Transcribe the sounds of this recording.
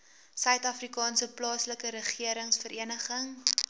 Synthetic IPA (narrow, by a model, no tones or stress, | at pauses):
sœɥtɐfrikɑːnsəplɑːsləkəɾəχiəɾəŋsfəɾʔiənəχəŋ